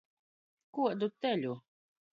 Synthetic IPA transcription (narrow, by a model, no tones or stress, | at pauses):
kuɔd̪ut̪ːɛlʲu